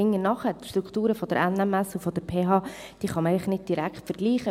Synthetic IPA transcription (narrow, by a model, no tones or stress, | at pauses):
ɪŋːənɑχətʃtɾuktuːɾəfɔd̥əɾʔænæmæsufɔd̥̪əɾpʰeːɦɑː | d̥iːχɑmɪlɪχnɪd̚d̥iɾækχtfəɾɡ̥liːχə